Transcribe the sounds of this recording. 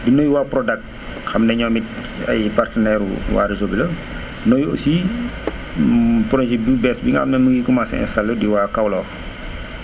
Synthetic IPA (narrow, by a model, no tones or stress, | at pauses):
dinɔːjuwaːpɾɔdɐk̚t̚ | xɐmnɛɲɔːmit̚ | ɐ̰jpartənɛɾṵwa̰ːɾizobilɐ | nɔjo̰si | pɔɾɔnsibibɛsbiŋɡxɐ̰mnɛməŋɡikɔmasɛ̰ɛ̰nsɐlədiwaːkɐwlɔː